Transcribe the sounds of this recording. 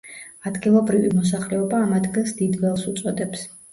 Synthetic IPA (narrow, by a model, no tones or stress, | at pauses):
ad̪ɡilˠɔbɾivimɔs̬aχlɛɔbaːmad̪ɡɛnsd̪id̪vɛlˠsut̪sʼɔd̪ɛps